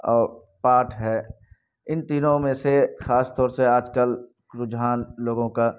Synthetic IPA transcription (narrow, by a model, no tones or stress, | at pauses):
ɔːɾ | paːʈʰɦɛː | ɪnt̪iːnõmẽsexaːst̪ɔːɾseaːd͡ʒkəl | kɾʊd͡ʒɦaːnloːɡõka